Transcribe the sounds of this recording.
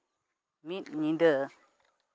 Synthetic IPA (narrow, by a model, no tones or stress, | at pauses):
mitɲĩndəʔə